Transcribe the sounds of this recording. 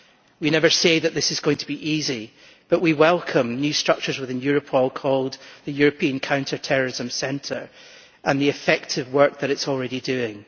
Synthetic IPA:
winɛvə˞seðəʔ̪̚ðɪsɨzɡõɪ̃ŋtʰəbiʔizi | b̥ʌʔwiwɛlˠkʰə̃mnjʉstɹ̥ʌk̚t͡ʃə˞zwɪθɪ̃njʉɹəpʰɔlˠkʰɔlˠd̪ðɨjʉɹɨpʰĩə̃nkʰãʊ̃ntʰə˞tʰɛɹə˞ɪzə̃msɛ̃ntʰə˞ | ʔə̃nðiɪfɛk̚tʰɪvwɜ˞k̚ðəɾɪtsɔl̩ˠɹɛɾidʉɪ̃ŋ

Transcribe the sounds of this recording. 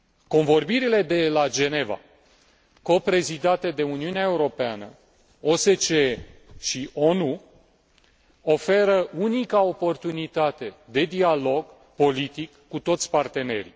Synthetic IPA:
ko̞nvo̞rbiɾile̞d̪e̞lad͡ʒe̞ne̞va̰ | ko̞pɾe̞zid̪at̪e̞d̪e̞uniuneaeuɾo̞peanə̰ | o̞se̞t͡ʃeʃiʔo̞nu | o̞fe̞ɾəʔunikao̞po̞rt̪unit̪at̪e̞d̪e̞d̪ialo̞ɡ | po̞lit̪ikːut̪o̞t̪sʲpart̪e̞ne̞̰ɾḭ

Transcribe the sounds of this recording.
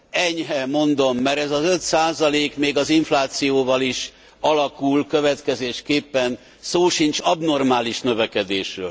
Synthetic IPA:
ɛɲɦɛmo̞nd̪o̞mːɛɾɛzɒzø̞t̪saːzɒleːkmeːɡɒziɱflaːt̪sijoːvɒliʃ | ɒlɒkulkøvɛt̪kɛzeːʃkeːpːɛn | soːʃint͡ʃɒbno̞rmaːliʃnø̞vɛkɛd̪eːʃrø̰ːl

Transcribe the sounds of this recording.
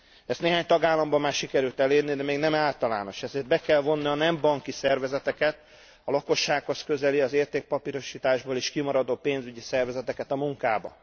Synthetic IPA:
ɛst̪neːɦaːɲt̪ɒɡaːlːɒmbɒmːaːrʃikɛɾylt̪ɛleːrnid̪ɛmeːɡnɛmaːlt̪ɒla̰ːno̞ʃɛzeːrd̪̚bɛkɛlvo̞nːiɒnɛmbɒŋkisɛrvɛzɛt̪ɛkɛt̪ | ɒlɒko̞ʃːaːkho̞skø̞zɛliɒzeːrt̪eːk̚pɒpiɾo̞ʃiːt̪aːʒboːleːʃkimɒɾɒd̪oːpeːnzyɟisɛrvɛzɛt̪ɛkɛt̪ɒmuŋkaːbɒ̰

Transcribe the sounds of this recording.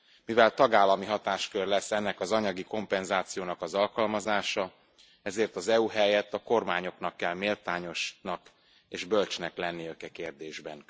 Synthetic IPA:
mivɛlt̪ɒɡaːlːɒmiɦɒt̪aːʃkørlɛsːɛnːɛkɒzɒɲɒɡiko̞mpɛnzaːt̪sijoːnɒkɒzɒlkɒlmɒzaːʃɒ | ɛzeːrt̪ɒzɛuɦɛjɛt̪ːɒko̞rmaːɲo̞knɒkːɛlmeːlt̪aːɲo̞ʃnɒk | eːʒbø̞lt͡ʃnɛklɛnːiøkɛkeːrd̪eːʒbɛn

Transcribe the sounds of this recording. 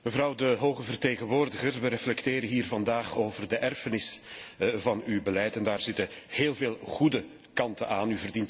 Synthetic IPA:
məvɾɑwdəɦoːɣəvərteːɣənʋoːrdəɣərʋəɾɛflɛkteːɾənɦiːrvɑndaːχoːvərdəʔɛrfənɪs | vɑnybəlɛjtɛndaːrzɪtəheːlˠveːlˠɣudə | kɑntənʔaːnyvərdint

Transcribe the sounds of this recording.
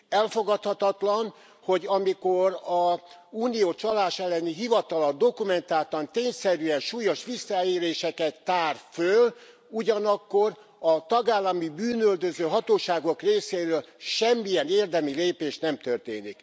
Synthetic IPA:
ɛlfo̞ɡɒt̪hɒt̪ɒt̪lɒn | ho̞ɟɒmiko̞ɾɒuːnijoːt͡ʃɒlaːʃɛlːɛniɦivɒt̪ɒlɒd̪o̞kumɛnt̪aːt̪ɒnt̪eːɲsɛɾyɛnʃuːjo̞ʃʋisːɒeːɾeːʃɛkɛt̪ːaːrføl | uɟɒnɒkːor | ɒt̪ɒɡaːlːɒmibyːnøld̪øzøːɦɒt̪oːʃaːɡo̞kreːseːɾøːlʃɛmːijɛneːrd̪ɛmileːpeːʃnɛmt̪ørt̪eːnik

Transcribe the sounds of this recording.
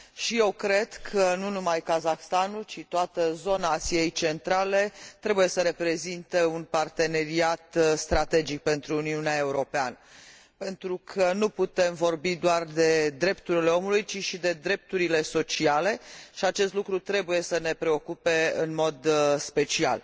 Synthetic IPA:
ʃije̞wkɾe̞d̪̥kʰənunumajkazaxst̪anult͡ʃit̪oat̪əzo̞naːsie̞jt͡ʃe̞nt̪ɾale̞t̪ɾe̞buje̞səɾe̞pɾe̞zint̪e̞unpart̪e̞ne̞ɾiat̪st̪ɾat̪e̞d͡ʒik̚pe̞nt̪ɾuːniuneae̞uɾo̞peanə | pe̞nt̪ɾukʰənuput̪e̞mvo̞rbid̪oard̪e̞d̪ɾe̞pt̪uɾile̞o̞mulujt͡ʃiʃid̪e̞d̪ɾe̞p̚t̪uɾile̞so̞t͡ʃiale̞ʃiat͡ʃest̪lukɾut̪ɾe̞buje̞səne̞pɾe̞o̞kupe̞ɨnmo̞d̪spe̞t͡ʃia̰l

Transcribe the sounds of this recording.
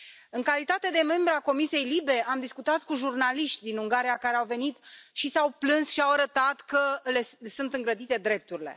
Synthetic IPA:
ɨŋkalit̪at̪e̞d̪e̞me̞mbɾeako̞misije̞jlibe̞ʔamd̪iskut̪at̪kuʒurnaliʃt̪ʲd̪inuŋɡaɾijakaɾeawve̞nit̪ʃisawplɨnsʃiawaɾət̪at̪kəle̞sunt̪ɨŋɡɾəd̪it̪e̞d̪ɾe̞p̚t̪uɾile̞̰

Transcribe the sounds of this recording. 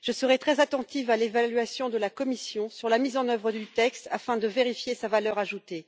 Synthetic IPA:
ʒ̥əsəʁɛt̪χɛzat̪ɑ̃t̪ifalevalɥasjɔ̃d̪əlakɔmisjɔ̃syʁlamizɑ̃nœvʁəd̪yt̪ɛkst̪afɛ̃d̪əveʁifjesavalœʁaʒut̪e

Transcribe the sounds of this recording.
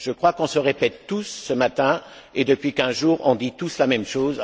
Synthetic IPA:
ʒ̥əkχwakɔ̃səʁepɛt̪ːusːəmat̪ɛ̃ | ed̪əpɥikɛ̃ʒuːʁɔ̰̃d̪it̪uslamɛmʃoz

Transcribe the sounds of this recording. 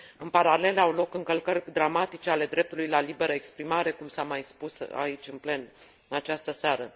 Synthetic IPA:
ɨnpaɾale̞lawlo̞kɨŋkəlkərʲd̪ɾamat̪it͡ʃeale̞d̪ɾe̞p̚t̪ulujlalibe̞ɾəekspɾimaɾe̞kumsamajspusa̰it͡ʃʲɨnple̞n | at͡ʃast̪əseaɾə

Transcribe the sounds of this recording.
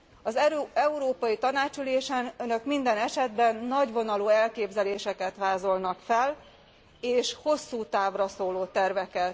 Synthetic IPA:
ɒzɛuɾoːpɒjit̪ɒnaːt͡ʃyleːʃɛnønø̞kmind̪ɛnɛʃɛd̪bɛnːɒɟvo̞nɒluːɛlkeːbzɛleːʃɛkɛt̪ʋaːzo̞lnɒkfɛl | eːʃho̞sːuːt̪aːvrɒsoːloːt̪ɛrvɛkɛt̪

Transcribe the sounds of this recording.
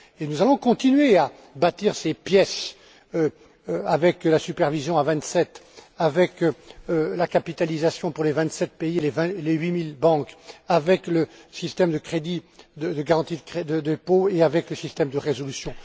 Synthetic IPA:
enuzalɔ̃kɔ̃t̪inɥea | bat̪iʁsepjɛs | ø | avɛklasypɛʁvizjɔ̃avɛ̃t̪sɛt̪avɛkølakapit̪alizasjɔ̃puʁlevɛ̃t̪sɛt̪̚peilevɛ̃leɥimilbɑ̃kavɛkləsist̪ɛmd̪əkχed̪id̪əd̪əɡaʁɑ̃t̪id̪kχed̪əd̪əpoeavɛkləsist̪ɛmd̪əʁezɔlysjɔ̃

